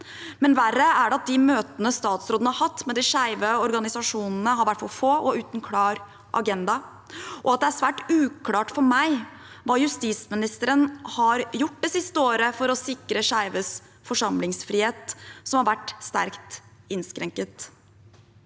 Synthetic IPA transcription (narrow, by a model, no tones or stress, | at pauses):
mɛnʋæɾəæɖɛɑt̪̚d̪ɪmøːt̪ənəst̪ɑːt̪sɾoːd̪nəhɑɾhɑt̪ːmɛd̪ɪʂæɪʋəɔɾɡɑnɪsɑʂuːnn̩əɦɑɾʋæʈːfɑlfoːʔɔʉːt̪nkʰlɑːɾ | ʔɑ̰ɡɛnd̪ɑ | ʔɔɑt̪̚d̪ɛæʂʋæːʈʉːkʰlɑːʈfɔɾmæɪ | ʋɑːjʉst̪iːsmɪnɪst̪əɾənhɑɾjʊʈːd̪ɛsɪst̪əoːɾəfɔɾɔsɪkɾəʂæɪʋəs | fɔʂɑmlɪŋsfɾiːheːt̪sɔmhɑɾʋæʈːst̪æɾkt̪ɪnskɾɛŋkət̪